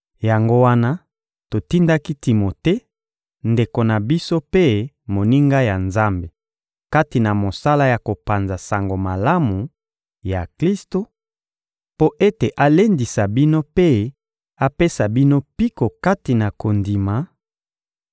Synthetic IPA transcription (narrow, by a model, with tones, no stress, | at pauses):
ja˨ŋɡo˦wa˦na˦ | to˨ti˦nda˦ki˦ti˨mo˨te˦ | nde˨ko˨na˨bi˦so˦pe˦ | mo˨ni˦ŋɡa˦ja˨nza˦mbe˨ | ka˦ti˨na˨mo˨sa˦la˦ja˨ko˨pa˨nza˨sa˨ŋɡo˨ma˨la˦mu˨ | ja˨kli˦sto˨ | po˦ʔe˦te˨ʔa˦le˦ndi˨sa˨bi˦no˦pe˦ | a˦pe˦sa˨bi˦no˦pi˦ko˨ka˦ti˨na˨ko˨ndi˨ma˨